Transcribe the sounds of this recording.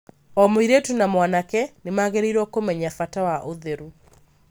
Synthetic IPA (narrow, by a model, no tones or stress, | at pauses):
ɔmoiɾetunamwanakɛnemaɣeɾeɾɔkomɛɲafatawaʔoðeɾu